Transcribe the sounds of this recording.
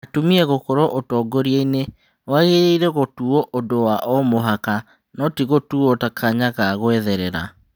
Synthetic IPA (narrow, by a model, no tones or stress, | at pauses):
atumiɛɣokɔɾɔʔotɔːɡoɾieine | waɣeɾeiɾɛɣotuɔʔodowaʔɔmoɦaka | nɔtiɣotuɔtakʰaɲaɣaɣwɛðɛɾɛɾa̰